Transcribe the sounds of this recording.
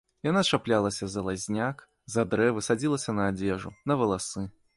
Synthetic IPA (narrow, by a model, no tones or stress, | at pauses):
janaʂaplʲalˠɐsʲɐzɐlˠazʲnʲak | zɐd̪ɾɛvɨsad͡zʲilˠɐsʲɐnɐːd͡zʲɛʐunɐvɐlˠasɨ